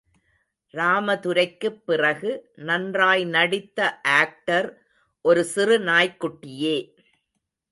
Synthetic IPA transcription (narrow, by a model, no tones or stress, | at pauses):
ɾaːmɐðʊɾɐɪkːɯpːɪrɐɣɯnɐndraːjnɐɽɪt̪ːɐʔaːk̚ʈɐɾ | ʔɔɾɯsɪrɯnaːjkːʊʈːɪjeː